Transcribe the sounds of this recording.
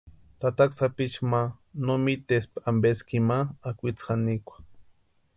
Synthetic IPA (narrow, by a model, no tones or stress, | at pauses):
t̪at̪aksapit͡ʃmanomit̪espambeskimaːkʷit͡sxanikʷḁ